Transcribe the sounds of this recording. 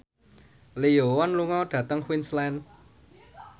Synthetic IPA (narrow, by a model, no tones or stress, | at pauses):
lijowɔnluŋɔɖ̥ä̤t̪əŋxwinslɛn